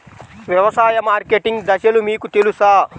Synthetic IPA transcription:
ʋjɐʋɐsaːjɐmaːɾkeʈiŋɡd̪ɐʃɐlumiːkut̪elusaː

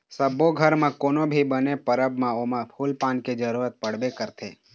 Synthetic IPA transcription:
səboɡʱəɾmãkoːnobʱibənepəɾəbmãomãpʰuːlpãːnked͡ʒəɾuːɾət̪̚pəɽ̤bekəɾt̪ʰḛ

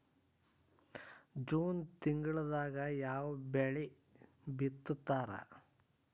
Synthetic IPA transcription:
d͡ʒuːnt̪iŋɡɐɭɐd̪aːɡɐjaːʋɐbeɭi | bit̪ːut̪ːaːɾɐ̰

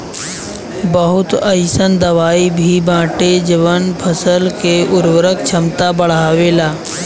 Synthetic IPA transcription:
bəɦʊt̪əjsənd̪əʋaːibʱibãːʈed͡ʒɪʋənpʰəsəlkeʊɾʋəɾək̚t͡ʃʰəmt̪abəɽ̤aːʋelaː

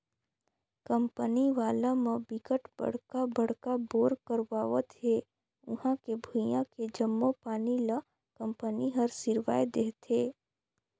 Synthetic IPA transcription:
kəmpəniʋaːlamə̃bɪkəʈb̥ə̰ɽ̤kabəɽkaboːɾkəɾwaːʋət̪ɦe | ʊɦãkebʱujãked͡ʒəmːopaːnilə | kə̃mpəniɦəɾsɪɾʋa̰ːjd̪eːɦt̪eː

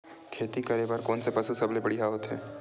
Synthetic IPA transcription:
kʰeːt̪ikɐɾebəɾkoːnsepɐsusɐblebəɽiɦaɦoːt̪ɦɛ̰ː

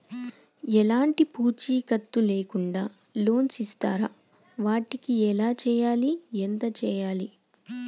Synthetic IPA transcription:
ɛlaːɳʈipuːt͡ʃiːkɐt̪ːuleːkuɳɖaː | loːnsist̪aːɾɐ | ʋaːʈikiɛlaːt͡ʃɛːjaːliɛnt̪ɐt͡ʃɛːjaːli

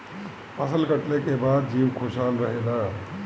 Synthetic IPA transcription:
pəsəlkəʈlekebaːd̪̚d͡ʒiwkʰosalɾəɦela

